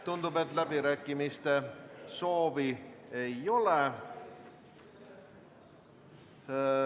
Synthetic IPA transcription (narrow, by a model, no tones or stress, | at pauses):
t̪und̪ubet̪ˑlæbiɾæːkːˑimist̪e̞so̞ːviejo̞le